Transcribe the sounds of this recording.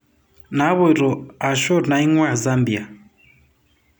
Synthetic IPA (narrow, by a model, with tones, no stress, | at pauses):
na˨˦βɔ˦i˨ɾɔ˨a˨ʃɔ˦ɾna˨i˦ŋwa˦˨za˦mbi˨a˨